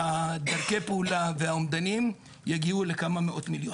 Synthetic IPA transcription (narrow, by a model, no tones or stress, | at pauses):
ad̪aʁkejpeulavehaomd̪anim | jaɡiule̞kamameʔo̞t̪miljo